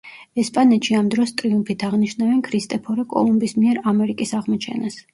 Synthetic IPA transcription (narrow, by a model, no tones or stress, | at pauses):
ɛspʼanɛt̪ʃiamd̪ɾɔst̪ʼɾiumpʰit̪ʰaʁniʃnavɛnkʰɾist̪ʼɛpʰɔɾɛkʼɔ̰lˠumbismiɛɾamɛɾikʼisaʁmɔt͡ʃʰɛ̰nas